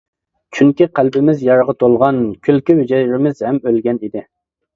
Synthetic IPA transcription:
t͡ʃʰyŋkʲiqælbɪmɪzjɑɾʁɑt̪ʰolˠʁɑnkʲʰylkʲiwyd͡ʒɛjɾɪmɪzhɛmølɡʲɛnid̪ɪ

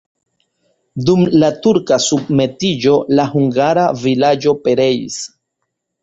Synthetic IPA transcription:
dumlatuɾkasub̚me̞tid͡ʒo̞lahuŋɡaɾavilad͡ʒo̞pe̞ɾe̞ḭs

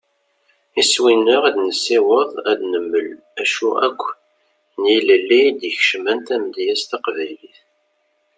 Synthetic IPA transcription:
iswinəʁæd̪nəsːiwəðˤæd̪nəmːəl | æʃuæ̰kʷː | niləlːid̪jəçʃmænt̪æmd̪jæst̪ɑqvæjliθ

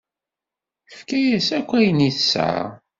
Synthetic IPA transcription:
əfkæjæsækʷːæjniθsːa̰ʁ

